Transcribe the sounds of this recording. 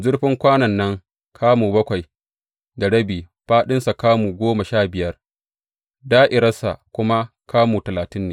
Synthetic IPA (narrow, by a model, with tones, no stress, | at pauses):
zʊ˦ɽɸɪ˦ŋkʷaː˦nɐ˨nːɐ˦ŋ | kʰaː˦muː˨bɐ˦kʷa˨j | da˨ɽɐ˦biː˨ | ɸaː˦ɗɪ˦nsa˨kaː˦muː˨ɡʷoː˦ma˨ʃaː˦˨bɪ˨jɐ˦r | daː˦ʔɪ˨ɾɐ˦sa̰˨kʷʊ˦ma˦ | kʰaː˦muː˨tɐ˨laː˨tɪ˦nːeː˨